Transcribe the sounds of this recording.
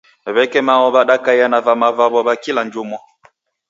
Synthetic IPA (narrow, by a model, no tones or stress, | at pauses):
ɛβɛkɛmawɔbaɗakajanavamavabɔbakiland͡ʒomwɔ